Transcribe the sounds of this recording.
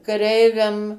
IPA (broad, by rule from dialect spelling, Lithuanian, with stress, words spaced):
kɐˈrʲɛɪʋʲɛm